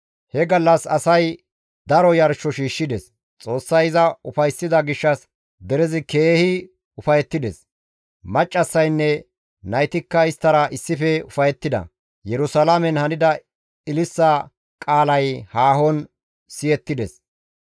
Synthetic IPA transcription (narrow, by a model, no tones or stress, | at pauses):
hɛɡɐlːɐsɐsɐj | d̪ɐɾɔjɐɾʃɔʃiːʃːɪd̪ɛs | t͡sʼo̞ːsːɐjɪzɐʊfɐjsːɪd̪ɐɡɪʃːɐs | d̪ɛɾɛzɪkeːhɪ | ʊfɐjɛt̪ːɪd̪ɛs | mɐt͡ʃʼːɐsːɐjnːɛ | nɐjt̪ɪkːɐɪst̪ːɐɾɐʔɪsːɪfɛʊfɐjɛt̪ːɪd̪ɐ̰ | jɛɾʊsɐlamɛnhɐnɪd̪ɐ | ɪlɪsːɐ | kʼaːlɐjhaːɦɔn | sɪjɛt̪ːɪd̪ɛs